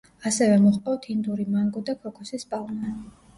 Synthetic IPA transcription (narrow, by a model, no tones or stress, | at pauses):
asɛvɛmɔχʼpʼɔwt̪ʰind̪uɾimaŋɡɔd̪akʰɔkʰɔsisbalˠna